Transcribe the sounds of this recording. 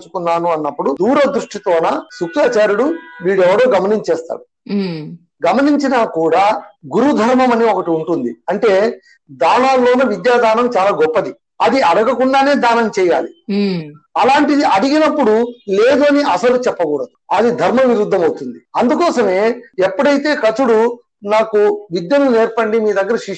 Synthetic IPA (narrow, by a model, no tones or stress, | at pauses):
t͡ʃu̥kunːaːnuɐnːɐpːuɽud̪uːɾɐd̪ɾuʂʈit̪oːnasukʂaːt͡ʃaːɾuɽuʋiːɽɛʋːɐɽo̞ːɡɐmɐniɲt͡ʃɛːst̪a̰ːɽu | ɡɐmɐniɲt͡ʃinakuːɽaːɡuɾud̪ʱɐɾmɐmɐniokɐʈiuɳʈund̪iɐɳʈe̞ː | d̪aːnaːlːo̞ːnɐʋid̪jaːd̪ʱaːnɐmt͡ʃaːlaːɡɔpːɐd̪i | ɐd̪iɐɽɐɡɐkuɳɖaːne̞ːd̪aːnɐmt͡ʃɛːja̰ːli | ɐlaːɳʈid̪iɐɽiɡinɐpːuɽule̞ːd̪uɐniʔɐsɐlut͡ʃɛpːɐɡuːɽɐd̪uɐd̪id̪ʱɐɾmɐʋiɾud̪ʱːɐmɐwt̪und̪iɐnd̪ukɔːsɐme̞ːɛpːuɽɐjit̪e̞ːkɐt͡ʃuɽu | naːkuʋid̪jɐnune̞ːɾpɐɳɖimiːd̪ɐɡːɐɾɐʃi